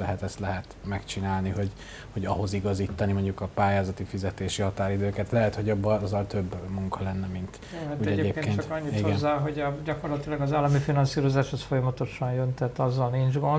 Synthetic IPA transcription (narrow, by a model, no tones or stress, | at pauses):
lɛɦɛt̪ɛst̪lɛɦɛt̪mɛkt͡ʃinaːlniho̞ɟ | ho̞ɟɒɦo̞ziɡɒziːt̪ːɒnimo̞ɲɟukɒpaːjaːzɒt̪ifizɛt̪eːʃihɒt̪aːɾid̪øːkɛt̪lɛɦɛt̪ho̞ɟɒbːɒzɒlt̪ø̞bːmuŋkʰɒlɛnːɛmint̪ | uːɛɛeːpkkeːnt̪ɒɲːit̪iɡnzːaːɦo̞ɟɒɟɒko̞rlɒt̪ilɒɡɒzaːlːɒmifinɒnsiːɾo̞zaːʃhosfo̞jɒmɒt̪o̞ʃɒnjønt̪ɛt̪ɒzːɒlniɲd͡ʒɡo̞n